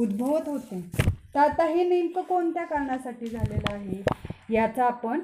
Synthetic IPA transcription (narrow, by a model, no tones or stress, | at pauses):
ud̪bʱəʋət̪ɦot̪ẽt̪at̪aɦimink̪əkoɳt̪jakaɾɳasaʈiːd͡zʱalelaːɦejat͡saːpəɳ